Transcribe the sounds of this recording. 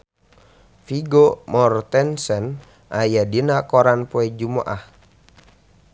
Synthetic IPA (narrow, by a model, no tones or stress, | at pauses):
fiɡomɔrt̪ɛnsɛn | ʔajadinakɔɾanpuɛd͡ʒumaʔah